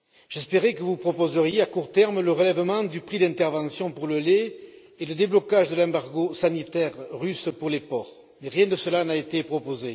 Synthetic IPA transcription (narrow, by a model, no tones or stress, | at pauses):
ʒ̥ɛspeʁɛkəvupχɔpɔzəʁjeakuʁt̪ɛʁmələʁəlɛvəmɑ̃d̪ypχid̪ɛ̃nt̪ɛʁvɑ̃sjɔ̃puʁləle | eləd̪eblɔkaʒd̪əlɛ̃baʁɡosanit̪ɛʁːyspuʁlepɔʁ | meʁjɛ̃d̪əsəlanaet̪epχɔpoze